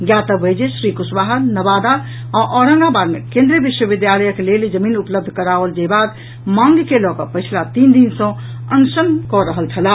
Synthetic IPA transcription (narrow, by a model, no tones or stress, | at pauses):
ɡjat̪əəjd͡ʒesɾikusbaɦəɾnəbad̪a | aʔɔɾə̃ŋɡabaɾmekẽnd̪ɾiəbiʃwəbid̪jaləjəkeleld͡ʒəminupləb̚d̪ʱkəɾabəld͡ʒebad̪ | mãŋɡkelɔkəpəɪt͡ʃʰlat̪ind̪insə̃ | ənsənkɔɾəɦəlt͡ʃʰəla